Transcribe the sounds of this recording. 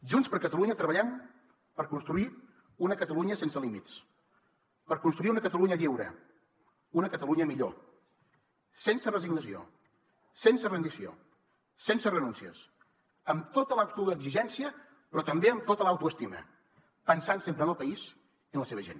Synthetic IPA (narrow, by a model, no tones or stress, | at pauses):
ʒunspəɾkət̪əluɲət̪ɾəβəʎɛm | pəɾkunst̪ɾui | unəkət̪əluɲəsensəlimitt͡s | pəɾkunst̪ɾuiunəkət̪əluɲəʎiwɾə̰ | unəkət̪əluɲəmiʎo̰ | sensərəziɡnəsio̰ | sensərənd̪isio̰ | sensərənunsiəs | əmt̪ot̪əlawt̪uəɡziʒɛnsiə | pɾɔt̪əmbeəmt̪ot̪əlawt̪uəst̪imə̰ | pənsansempɾənəlˠpəiz | iənləseβəʒḛn